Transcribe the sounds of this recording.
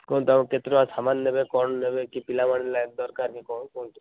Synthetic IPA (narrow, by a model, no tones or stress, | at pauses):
kɔnt̪amket̪ɾoasamanːebekɔnnebekipilamaɽilad̪ɔɾkaɾkikɔnkɔnt̪